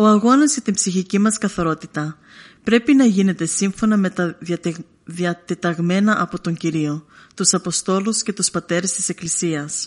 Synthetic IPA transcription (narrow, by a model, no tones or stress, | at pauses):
o̞ɐɣo̞nɐzʝɐt̪imbsiçicimɐskɐθɐɾo̞t̪it̪ɐ | pɾe̞pinɐʝine̞t̪e̞siɱfo̞nɐme̞t̪ɐðjɐt̪ | ðiɐt̪e̞t̪ɐɣme̞nɐʔɐpo̞t̪o̞ɲɟiɾio̞t̪usɐpo̞st̪o̞lusce̞t̪uspɐt̪e̞ɾest̪i̥se̞klisiɐs